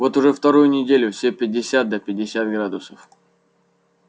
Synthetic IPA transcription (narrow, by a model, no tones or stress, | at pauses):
vo̞t̪ʊʐɛft̪ɐɾujʊnʲɪdʲelʲʊfsʲepʲɪdʲɪsʲat̪̚d̪əpʲɪdʲɪsʲat̪̚ɡɾad̪ʊsəf